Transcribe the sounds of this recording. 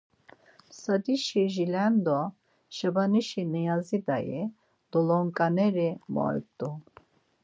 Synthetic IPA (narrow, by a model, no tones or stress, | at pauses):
sad̪iʃiʒilɛnd̪ɔ | ʃabaniʃinijazid̪ajḭ | d̪̥ɔlɔŋkʼanɛɾimɔ̰jt̪ʼu